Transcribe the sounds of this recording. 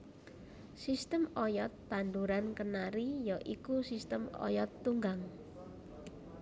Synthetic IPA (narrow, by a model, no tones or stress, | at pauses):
sist̪əmɔjɔt̪̚pand̪uɾankənaɾijɔʔikusist̪əmɔ̰jɔt̪ːuŋɡaŋ